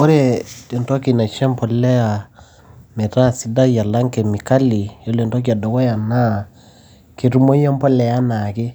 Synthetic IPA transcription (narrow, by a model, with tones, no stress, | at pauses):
o˦ɾe˦˨te˨ntɔ˦ki˨na˨t͡ʃɛ˦mpɔ˨lɛ˦a˨ | mɛ˨ɾa˦˨si˨˦da˦ja˨la˦ŋkɛ˨mi˨ka˦li˨jɔ˦le˨ntwɔ˦k̬i˨a˨dɔ˨wɔ˦ja˨na˦˨ | ke˨ɾu˦mo˦i˦ɔ˦mpɔ˦lɛ˨ja˦na˨kɪ˦